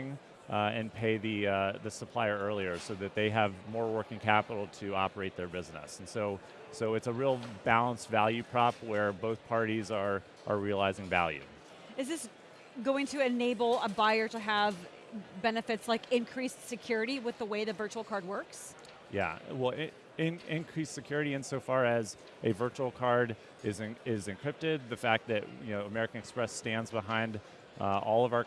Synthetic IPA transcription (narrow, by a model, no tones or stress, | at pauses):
ŋ | ɨ̰̃npʰeɪðɨðɨsəpʰl̥aɪə˞ɜ˞lˠiə˞soʊðɨt̪̚ðeɪəvmɔɹwɜ˞kɪ̃ŋkʰæpəɾl̩ˠtʰɨɑ̰pə˞eɪt̪̚ðə˞bɪznə̰sn̩soʊ | soʊɨtsəɹilˠbælˠə̃nsvælˠjʉpʰɹ̥ɑp̚wə˞boʊθpʰɑɹɾizə˞ | ʔə˞ɹiəlaɪzɪ̃ŋvæ̰lˠjʉ̰ | ɨzðɪs | ɡoʊɪ̃ŋtʰɨɨneɪbl̩ˠəbaɪə˞ɾɨəv | bɛnɨfɨtslaɪkɪ̃nkʰɹ̥issɨkʰj̥ʊɹɨɾiwɨðəweɪðɨvɜ˞t͡ʃul̩ˠkʰɑɹd̚wɜ˞ks | jæ̰wɛlˠ | ɪ̃nɪ̃nkʰɹ̥isɨkʰj̥ʊɹɨɾiɨ̃nsoʊfɑɹɨz | ʔɨvɜ˞t͡ʃul̩ˠkʰɑɹɾ | ɪzɨ̃ɪzɨ̃nkʰɹ̥ɪp̚tɪd̪̚ðɨfæk̚ðɨtjɨ̰noʊəmɛɹɨkɨ̃n̩ɨkspɹɛstæ̃ndzbəɦãɪ̃nd | ɔlˠʌvaʊ˞